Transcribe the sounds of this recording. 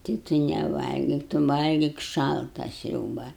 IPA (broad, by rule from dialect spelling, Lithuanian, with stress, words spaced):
tɐɪ tʊ nʲɛˈʋɐlʲɡʲɪk tʊ ˈʋɐlʲɡʲɪk ˈʃɐlˠtɐ ˈsʲrʲuːbɐ